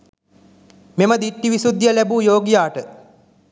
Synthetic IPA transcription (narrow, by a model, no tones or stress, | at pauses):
meməd̪iʈːiʋisud̪jəlæbuːjoːɡijaːʈə